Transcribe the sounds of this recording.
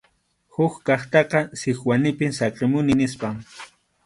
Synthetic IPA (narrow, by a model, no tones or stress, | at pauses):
hʊkkɑχt̪ɑqɑsɪxwanɪpɪmsɑqɪmʊnɪnɪspaŋ